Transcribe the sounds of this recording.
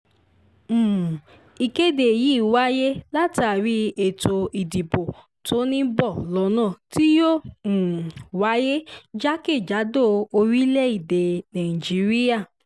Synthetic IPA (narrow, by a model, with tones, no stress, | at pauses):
i˧ke˦de˨ji˨˦˨wa˦je˦la˦ti˦a˨ɾi˧e˨to˧i˨di˨bo˨ | tʰo˨˦nĩ˦bɔ˦˨lɔ˨˧˦nãː˦˨ti˦jõ˦˨ | wa˨˦je˦d͡ʒa˦ke˦˨d͡ʒa˨˦do˦˨o˧ɾi˦lɛ˦i˦˨de˨nã˨i˨d͡ʒi˨˦ɾi˦ja˦˨